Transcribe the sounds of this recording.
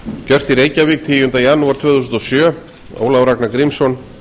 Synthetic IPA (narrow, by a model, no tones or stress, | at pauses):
cœr̥t̪iɾejcavik̚t̪ʰiʏmt̪ajanuaɾ̥t̪ʰvɛːθus̬nt̪ɔsjœː | o̰ːwlawɾaknakɾimsɔn